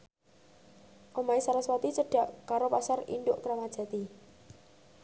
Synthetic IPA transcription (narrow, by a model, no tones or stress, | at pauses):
ʔomaisalaswat̪it͡ʃəɖ̥ä̤ʔkaɾopasarḭnɖ̪ʊʔkɾamad̥ʒ̥ä̤t̪i